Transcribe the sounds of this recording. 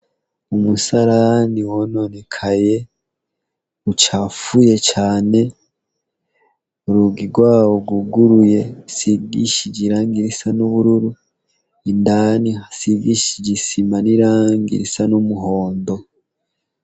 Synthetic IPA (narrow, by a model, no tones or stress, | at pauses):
umusaɾaniwono̞nekʰaje̞ | ut͡ʃafuje̞t͡ʃaːne̞ | ɾuɡiɡwaːwoɡuɡuɾuje̞siɡiʃiɟiɾaːŋɡiɾisanuβuɾuɾu | indaːnihasiɡiʃiɟisimaniɾaːŋɡḭɾisanumuɦo̞ːndo̞